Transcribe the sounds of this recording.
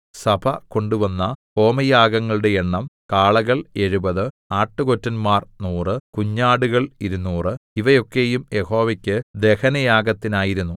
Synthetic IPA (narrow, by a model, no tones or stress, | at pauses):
sɐbʰɐko̞ɳɖuʋɐnːɐpo̞ːmɐjaːɡɐŋːɐɭuɽe̞eɳːɐmkaːɭɐɣɐɭe̞ɻubɐðɨ | aːʈːɨko̞tːɐnmaːrnuːrɨkuɲːaːɽuɣɐɭiɾunːuːrɨiʋɐjo̞kːe̞jumje̞ho̞ːʋɐkʲːɨd̪e̞hɐnɐjaːɡɐt̪ːinaːjiɾunːu